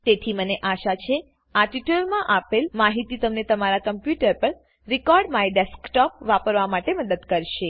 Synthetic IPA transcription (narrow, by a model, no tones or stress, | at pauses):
t̪et̪ʰiməneʔaʃat͡ʃʰe | aʈiʈəlmãʔapelmaɦit̪it̪əmnet̪əmaɾakəmpjuʈəɾpəɾ | ɾikɔɾɖmaeɖeskʈɔpʋapəɾʋamaʈeməd̪əd̪kəɾʃe